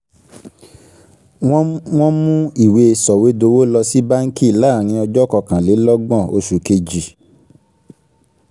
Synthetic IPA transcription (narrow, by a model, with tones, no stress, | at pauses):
w̃w̃ɔ̃˦mũ˦i˦˨we˧sɔ˨we˨˦do˧wo˦lɔ˧si˦ba˦ŋ̩˦ki˦˨la˦˨ɾ̃ĩ˧ɔ˧d͡ʒɔ˦kɔ˧kã˨le˨˦lɔ˦ɡ͡bɔ̃˦˨o̰˧ʃu˨ke˧d͡ʒi˨